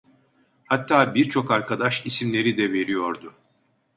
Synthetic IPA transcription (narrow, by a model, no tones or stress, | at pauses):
hat̪ʰːaːbiɾt͡ʃʰo̞kaɾkad̪aʃisimlʲe̞ɾid̪ɛve̞ɾijo̞ɾd̪ʊ